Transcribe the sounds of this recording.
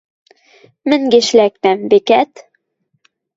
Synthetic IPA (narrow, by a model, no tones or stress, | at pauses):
mɘ̆ŋɡɘ̆ʃlæk̚næmbikæt̪